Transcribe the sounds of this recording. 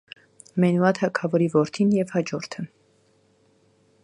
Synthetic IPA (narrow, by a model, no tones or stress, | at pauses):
mɛnuɑt̪ʰɑkʰɑvɔɾivɔɾt̪ʰinjɛvhɑd͡ʒɔɾt̪ʰə